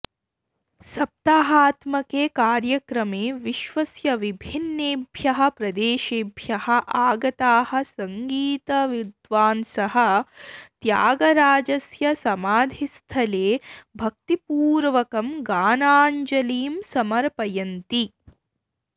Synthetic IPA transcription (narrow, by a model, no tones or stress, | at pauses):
sɐp̚t̪aːɦaːt̪mɐkeːkaːɾjɐkɾɐmeːʋiʃʋɐsjɐʋibʱinːeːbʱjɐɦɐ̆pɾɐd̪eːʃeːbʱjɐhɐ̆ʔaːɡɐt̪aːhɐ̆sɐŋɡiːt̪ɐʋid̪ʋaːnsɐɦɐ̆t̪jaːɡɐɾaːd͡ʒɐsjɐsɐmaːd̪ʱist̪ʰɐleːbʱɐk̚t̪ipuːɾʋɐkɐmɡaːnaːɲd͡ʒɐliːmsɐmɐɾpɐjɐnt̪i